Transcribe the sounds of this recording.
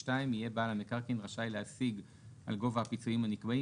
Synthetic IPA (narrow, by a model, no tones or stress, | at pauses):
taimije̞baːlamekaʁkinʁaʃajleasiɡ | ʔa̰lɡo̞vahapit͡suimhanikbai